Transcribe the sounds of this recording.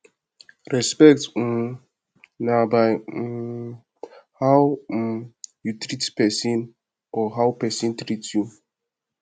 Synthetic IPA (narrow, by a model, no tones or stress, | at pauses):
ɾɛspɛk̚t̩ | nabaɪ | haw̩ | jutɾitpɛsĩn | ɔɦaʊpɛsĩntɾitju